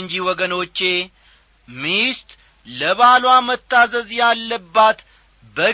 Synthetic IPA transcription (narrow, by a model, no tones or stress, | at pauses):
ɨɲd͡ʒiwɔɡəno̞t͡ʃːe̞ | mist̪ | ləβalwamət̪ːazəzjalːəbːat̪ | bə